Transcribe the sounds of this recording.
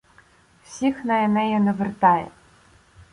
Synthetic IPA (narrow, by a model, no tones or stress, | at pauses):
w̥sʲixnɐɛnɛjɛnɐvɘrt̪ɑjɛ̰